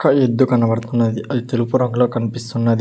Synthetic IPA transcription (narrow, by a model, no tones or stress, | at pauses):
kːɐed̪ːukɐnɐbɐɽt̪unːɐd̪iʔɐd̪it̪elupuɾɐŋɡlo̞ːkɐnipist̪unːɐd̪i